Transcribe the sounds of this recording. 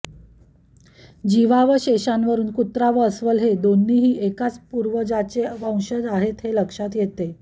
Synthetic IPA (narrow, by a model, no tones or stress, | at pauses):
d͡ʑiʋaʋəɕeɕanʋəɾuːnkut̪ɾaʋəəsʋəlɦed̪onːiɦiːʔekat͡spuɾʋəd͡ʑat͡ɕeʋãwɕəd͡zaɦet̪ɦeləkʂat̪jet̪e